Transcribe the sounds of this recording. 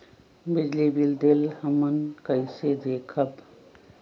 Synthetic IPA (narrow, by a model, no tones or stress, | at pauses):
bid͡ʒlibild̪elhəmənkəɪsed̪ekʰəb